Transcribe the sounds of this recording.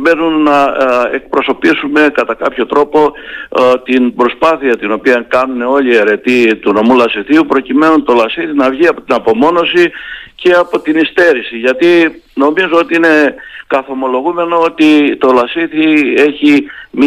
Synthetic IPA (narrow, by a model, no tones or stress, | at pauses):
be̞nunːɐe̞k̚pɾo̞so̞pisume̞kɐt̪ɐkɐpço̞t̪ɾo̞po̞ | t̪inbɾo̞spɐθiɐt̪ino̞piɐkɐnune̞o̞lieɾe̞t̪it̪uno̞mulɐsiθiupɾo̞cime̞nunt̪o̞lɐsiθinɐvʝiɐpo̞t̪inɐpo̞mo̞no̞sice̞ɐpo̞t̪inist̪e̞ɾisiʝɐt̪i | no̞mizoo̞t̪iine̞kɐθo̞mo̞lo̞ɣume̞no̞o̞t̪it̪o̞lɐsiθie̞çim